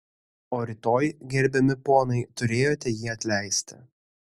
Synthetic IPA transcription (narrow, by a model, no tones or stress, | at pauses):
oːɾʲɪt̪oːjɡʲɛɾʲbʲɛmʲɪpoːnɐɪt̪ʊɾʲeːjoːt̪ʲɛjiːɐt̪ʲlʲæˑɪsʲt̪ʲɪ̰